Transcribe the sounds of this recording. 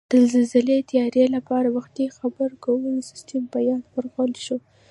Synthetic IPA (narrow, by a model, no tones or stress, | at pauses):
d̪̥əlzɪlzɪlet̪jɑɾelapɑɾawaxt̪ixabəɾkawənsɪ̥stəmbajɑd̪wəɾɣəlʃo